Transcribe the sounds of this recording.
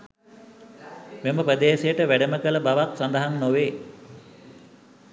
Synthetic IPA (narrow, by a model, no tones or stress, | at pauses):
meməprəd̪eːsejəʈəʋæɖəməkələbaʋaksand̪əɦannoʋeː